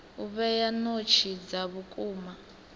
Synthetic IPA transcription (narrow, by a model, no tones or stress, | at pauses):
uβɛjanot͡ʃʰid͡zaβukʼuːma